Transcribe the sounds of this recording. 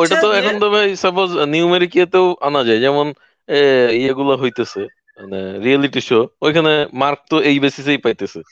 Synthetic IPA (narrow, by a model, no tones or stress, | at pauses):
ojʈat̪oɛkʰond̪ɔbajsabozniumeɾikijat̪ewa̰nad͡ʑajɛmon | eieɡulaɦojt̪esʰe | maneɾieliʈiʃoojkʰanemaɾk̚t̪oejbesis̬ejpajt̪esʰe